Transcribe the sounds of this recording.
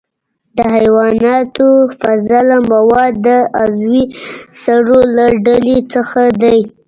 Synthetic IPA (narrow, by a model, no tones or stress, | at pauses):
d̪əhajwɑnɑt̪ofazalamawɑd̪ːəazwisaɽolaɖalet͡səxad̪aj